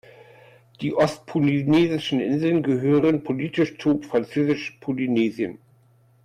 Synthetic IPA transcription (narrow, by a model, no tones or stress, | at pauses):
d̥iːʔɔst̚pʰolineːzɪʃn̩ʔɪ̰nzl̩nɡəɦøːʁənpʰoliːtʰɪʃt͡sufʁ̥ant͡søːzɪʃpʰolineːziən